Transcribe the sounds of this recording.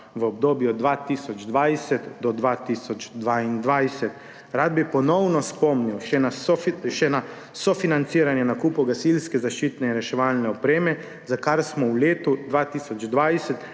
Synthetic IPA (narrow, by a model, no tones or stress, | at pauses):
ʋəɔb̚d̪oːbjuɔd̪d̪ʋat̪isɔd͡ʒd̪ʋajsɛt̪d̪ɔd̪ʋat̪iːsɔd͡ʒd̪ʋaind̪ʋajsɛt̪ | ɾad̪̚bipɔnɔwnɔspɔmniwʃɛnaʃɛna | sɔfinant̪siːɾanjɛnakuːpuɡasilskɛzaʃt͡ʃiːt̪nɛinɾɛʃɛʋaːlnɛɔpɾeːmɛ | zakaɾsmɔwleːt̪ud̪ʋat̪isɔd͡ʒd̪ʋajsɛt̪